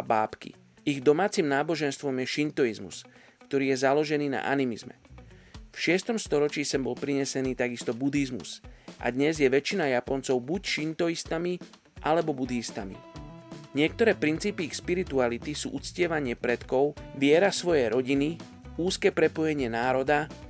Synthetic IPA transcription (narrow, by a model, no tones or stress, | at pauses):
abaːpkḭ | iɣd̪ɔmaːt͡simnaːbɔʒɛnst̪ʋɔmjɛʃint̪ɔizmṵs | kt̪ɔɾiːjɛzalɔʒɛniːna̰ʔa̰nimizmɛ̰ | fʃɪɛst̪ɔmst̪ɔɾɔt͡ʃiːsɛmbɔlpɾiɲɛsɛniːt̪aɡist̪ɔbud̪izmṵsʔa̰d̪ɲɛzjɛʋɛt͡ʃinajapɔnt͡sɔʊbucʃint̪ɔist̪ami | ʔalɛbɔbud̪ist̪amḭ | ɲɪɛk̚t̪ɔɾɛːpɾint͡siːpiixspiɾit̪ualit̪isṵːʔut͡scɪɛʋaɲɪɛpɾɛt̪kɔʊʋɪɛɾasʋɔjɛjɾɔɟini | uːskɛːpɾɛpɔjɛɲɪɛnaːɾɔd̪a